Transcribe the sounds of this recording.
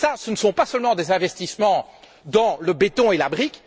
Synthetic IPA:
sasənəsɔ̃pasəlmɑ̃d̪ezɛ̃vɛst̪ismɑ̃ | d̪ɑ̃ləbet̪ɔ̃elabʁik

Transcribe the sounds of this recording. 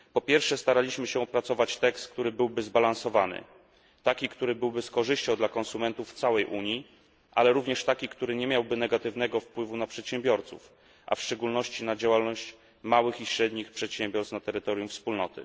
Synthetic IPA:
pɔpʲjɛɾfʂɛst̪aɾalʲiɕmɘɕɛɔpɾat̪sɔvat͡ɕt̪ɛkst̪kt̪uɾɘbɘwbɘzbalansɔvanɘ̰ | t̪akʲikt̪uɾɘbɘwbɘskɔʐɘɕt͡ɕɔ̃w̃d̪lakɔnsumɛnt̪uft̪sawɛjʔuɲi | ʔalɛɾuvɲɛʂt̪akʲikt̪uɾɘɲɛmʲjawbɘnɛɡat̪ɘvn̪ɛɡɔfpwɘvunapʂɛt̪ɕɛmbʲjɔɾt̪sṵf | ʔa̰fʂt͡ʂɛɡulnɔɕt͡ɕinad͡ʑawalnɔɕt͡ɕ | mawɘxiɕɾɛd̪ɲixpʂɛt̪ɕɛmbʲjɔɾst̪nat̪ɛɾɘt̪ɔɾʲjumfspulnɔt̪ɘ̰

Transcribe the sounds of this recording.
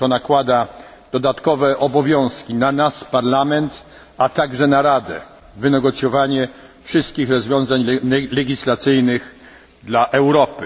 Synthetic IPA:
t̪ɔnakwad̪a | d̪̥ɔd̪at̪kɔvɛʔɔbɔvʲjɔ̃w̃skʲinanaspaɾlamɛnt̪ | at̪aɡʐɛnaɾad̪ɛ̰ | vɘnɛɡɔt̪sʲjɔvaɲɛ | fʂɘst̪̚kʲixɾɔzvʲjɔ̃zaɲlɛlɛɡʲislat̪sɘjnɘx | d̪laʔɛwɾɔpɘ

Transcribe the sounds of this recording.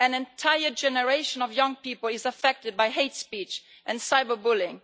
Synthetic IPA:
ɨ̃nɨ̃ntʰaɪə˞d͡ʒɛnəɹeɪʃə̃nɔvjʌ̃ŋpipl̩ˠɪzəfɛk̚tɨd̚baɪɦeɪtspit͡ʃ | ʔɨ̃nsaɪbə˞bʊlɪ̃ŋ

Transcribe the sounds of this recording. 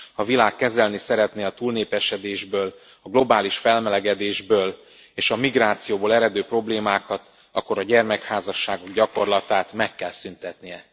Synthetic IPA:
hɒvilaːkːɛzɛlnisɛɾɛt̪neːɒt̪uːlneːpɛʃɛd̪eːʒbøːl | ɒɡlo̞baːliʃfɛlmɛlɛɡɛd̪eːʒbøːl | eːʃɒmiɡraːt̪sijoːboːlɛɾɛd̪øːpro̞bleːmaːkɒt̪ | ɒ̰kːo̞ɾɒɟɛrmɛkhaːzɒʃːaːɡo̞ɡɟɒko̞rlɒt̪aːt̪mɛkːɛlsynt̪ɛt̪nijɛ

